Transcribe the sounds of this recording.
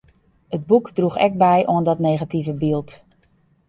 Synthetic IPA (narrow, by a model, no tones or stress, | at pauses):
əd̚bukdruxɛ̰k̚bɛjʔoəndɔtneːɣativəbilˠt